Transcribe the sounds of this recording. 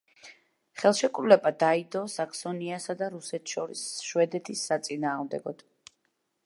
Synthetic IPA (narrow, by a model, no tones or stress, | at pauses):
χɛlˠʃɛkʼɾulɛbad̪aid̪ɔsakʰsɔniasad̪aɾusɛt̪ʰʃɔɾḭsʃwɛd̪ɛt̪ʰisːat̪sʼinaːʁmd̪ɛ̰ɡɔd̪̥